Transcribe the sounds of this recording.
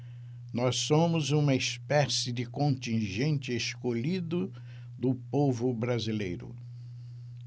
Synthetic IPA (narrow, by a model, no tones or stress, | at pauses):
nɔssõmʊzũmɐespɛsɪdɪkõnt̪ĩʒẽnt͡ʃɪeskoʎid̪ʊ | d̪ʊpovʊbɾazilejɾʊ̰